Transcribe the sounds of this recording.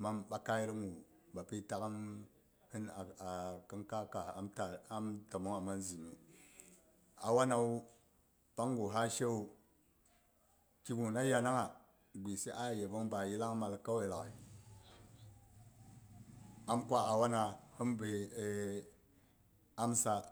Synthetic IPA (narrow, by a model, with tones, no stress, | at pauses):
ma˦mba˦ka˦ji˦ɾi˦mu˨ | ba˨pi˦ta˨ka˦m | hɨ˦na˨a˨kə˦nka˦ka˨a˨mta˨a˦mta˨mo˦ŋa˨ma˦nzi˨mi˨ | a˨wa˦na˨wu˦ | pa˦ŋɡo˨ɦa˦ʃe˦wu˦ | ki˦ɡu˨na˦ja˨na˦ŋa˨ | ɡʷi˨si˦ʔa˦˨je˨bo˦ŋba˨ji˦la˦ŋ˦ma˨lka˦we˨la˨ɣe˨ | a˦mkʷa˦a˨wa˦na˨hɨ˦nbe˨ | a˦msa˦